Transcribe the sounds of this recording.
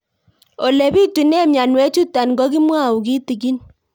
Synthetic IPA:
o˨le˨bi˦tu˨nɛ˦mja˨nwɛ˦t͡ʃu˦ta˨nɡɔ˦ki˦mwa˦˨u˨ki˦ti˨ɡi˦n

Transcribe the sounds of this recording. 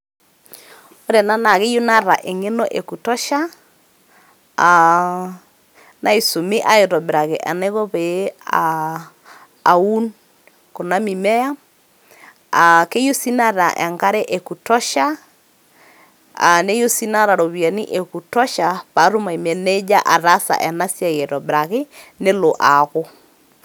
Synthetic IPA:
o˦ɾɛ˨na˦na˨ɣe˦jo˦na˦ɾa˨ʔe˨ŋe˦nɔ˦ʔe˨ku˨tɔ˦ʃa˦ | a˨ | na˦i˨so˨mi˦ʔa˦e˨ɾɔ˨be˨ɾa˨ɣɛ˨ʔa̰˨nɛ˦ɣɔ˦βe˨˦a˨ | u˦n | ko˨na˦mi˨mɛ˦ja˦ | a˨ke˦jo˦si˦na˦ɾa˨ʔɛ˨ŋɡa˦ɾɛ˦ʔe˨ku˨tɔ˦ʃa˦ | a̰˨ne˦jo˦si˦na˦ɾa˨ɾo˨βi˨a˨ni˦ʔe˨ku˨tɔ˦ʃa˨pa˨˦ɾu˦ma˨i˨mɛ˨ne˦d͡ʒa˦ʔa˨ɾa˦sa̰˨ʔɛ˨na˦si˦a˨je˨ɾɔ˨bɾa˨ɣɪ˦nɪ˦lo˨ʔa˨ɣʊ˦

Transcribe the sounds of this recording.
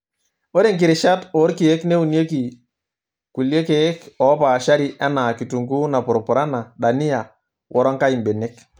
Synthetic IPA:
o˦ɾe˦˨ŋkɪ˨ɾɪ˨ʃa˦to˦ɾki˨e˦kne˦u˨nje˦ki˨ | ku˨lje˦ke˦kɔ˨˦pa˨ʃa˦ɾi˦ʔa˦na˨ki˨tu˨ŋɡu˦na˨pʊ˨ɾɔ˨pʊ˨ɾa˦na˨ɗa˨ni˦a˨ | wʔɔ˨ɾɔ˦ŋka˦i˨mbe˨ne˦k

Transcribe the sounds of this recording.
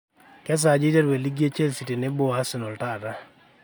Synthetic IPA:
kɛ˦s̬a˨d͡ʒɪ˦tɛ˦ɾwe˨li˦ɡje˦t͡ʃe˦lsi˨te˨nɪ˦bʊ˦a˦sɪ˨nɔ˨lta˦˨ta˦

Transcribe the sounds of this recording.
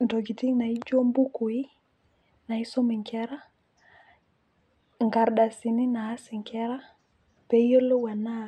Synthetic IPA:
ndo˨ɡi˨ti˦ŋna˨i˦d͡ʒo˦mbu˦ku˨i˦ | na˨i˦so˦mi˨ŋkɛ˦ɾa˦ | ŋɡa˨ɾɗa˨si˨ni˦na˨ha˦si˨ŋkɛ˦ɾa˦ | pe˨˦jo˦lːo˦wa˨nːa˦˨

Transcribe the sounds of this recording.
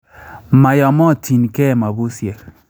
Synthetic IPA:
ma˨jɔ˨mɔ˦˨tʰi˨nkɛ˦˨ma˨bu˦sjɛ˨l

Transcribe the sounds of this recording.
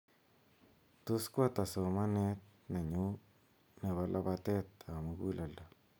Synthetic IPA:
t̪u˦skwa˦t̪a˨so˨ma˦ne˦t̪̚na˨ɲu˦ | ne˨βa˦lʔa˦ba˦t̪e˦t̪a˨ma˦ɡu˦la˨lda˨

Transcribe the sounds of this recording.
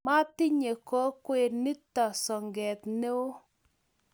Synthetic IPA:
ma˦tɪ˦ɲe˨kɔ˦kwe˨ni˦ta˨sɔ˨ŋɡɛ˨t̪ne˦wo˦

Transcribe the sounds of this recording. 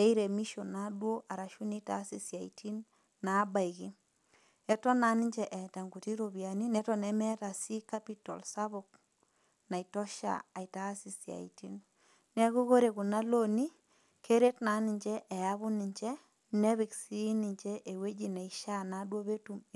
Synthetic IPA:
ɛ˦i˦ɾe˨mi˦ʃo˨na˦ɗwo˦ʔa˨ɾa˨ʃu˦ni˦ta̰˦si˨sja˨itʰi˦n | na˨˦ba˨iki˦ | ɛ˨tɔ˦na˨˦ni˦ɲd͡ʒɛ˦ʔɛ˨ta˨ŋɡu˨ti˦ɾoβja˨ni˦nɛ˦tɔ˦nɛmɛ˦ta˨si˦ka˦pi˦tɔ̰˨lsaβo˨k̚ | na˨i˨tɔ˦ʃa̰˨a˨i˨ta˦si˨sja̰˨ḭti˦n | nɛ˦ku˦ko˦ɾe˨ku˨na˦lo˦ni˦ | kʰe˦ɾe˦tna˨˦nɪ˨ɲd͡ʒɛ˦ʔɛ˨jaβʊ˦ni˨ɲd͡ʒɛ˦ | nɛ˦βi˨ksi˦ni˨ɲt͡ʃɛ˦ʔe˨we˦d͡ʒi˨nɛ˨iʃa˦na˨dwo˦βe˦tum

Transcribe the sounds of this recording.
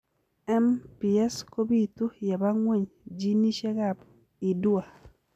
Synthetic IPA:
ɛ˦mpi˨ɛ˦sko˦bi˦˨tu˦ja˨ba˦ŋwe˦˨ɲd͡ʒi˦ni˦ʃe˦ɡa˦˨b | i˨du˦a˨

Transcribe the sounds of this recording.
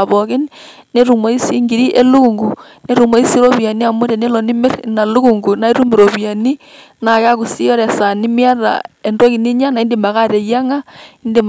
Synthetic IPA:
a˨βɔ˨ki˦n | ne˦ɾu˨mo˨˦i˦si˦ŋɡi˨ɾi˦ʔe˦lu˦ɣu˨ŋɡu˨ | ne˦ɾu˨mo˨˦i˦si˦ɾo˦βja˨ni˦a˨mo˦ɾe˨ne˦lɔ˨ni˦me˦ɾna˨lu˦ɣu˨ŋɡu˨na˨˦i˦ɾu˦me˨ɾo˨βja˨ni˦ | na˨ka˦ku˨si˦ɔ˦ɾɛ˨sa˨ni˦mja˦ɾa̰˨e˨ndo˦ki˨ni˦ɲa˦na˨i˦nde˨ma˨ɣa˦ɾe˨ja˦ŋa˦i˦nde˨m

